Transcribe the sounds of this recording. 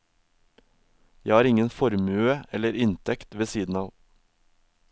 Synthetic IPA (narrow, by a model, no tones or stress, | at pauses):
jæhɑːɾɪŋənfɔɾmʉːəɛləɾɪnt̪ʰɛkt̪ʋeːsiːd̪n̩ɑːʋ